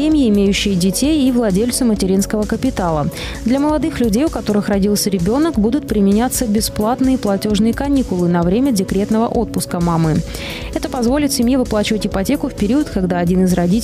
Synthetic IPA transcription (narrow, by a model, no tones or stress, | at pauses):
emʲjɪːmʲejʉɕːɪjədʲɪtʲejivlˠɐdʲelʲt̪sʊmətʲɪɾʲin̪skəvəkəpʲɪt̪alˠə | d̪lʲɐməlˠɐd̪ɨxlʲʉdʲejʊkɐt̪o̞ɾɨxrɐdʲilˠsʲəɾʲɪbʲo̞nəkbud̪ʊt̪̚pɾʲɪmʲɪnʲat̪səbʲɪsplˠat̪nɨjəplˠɐtʲo̞ʐnɨjəkɐnʲikʊlˠɨnɐvɾʲemʲədʲɪkɾʲe̞t̪nəvəʔo̞t̪̚pʊskəmamɨ | ɛt̪əpɐzvo̞lʲɪt̪sʲɪmjevɨplˠat͡ɕɪvətʲɪpɐtʲe̞kʊfpʲɪɾʲiət̪kɐɡd̪aɐdʲinɨzrɐdʲitʲ